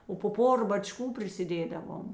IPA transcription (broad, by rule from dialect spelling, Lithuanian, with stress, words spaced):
oː poː ˈpoːrɐ bɐˈt͡ʃkuː pʲrʲɪsʲɪˈdʲeːdɐʋoːm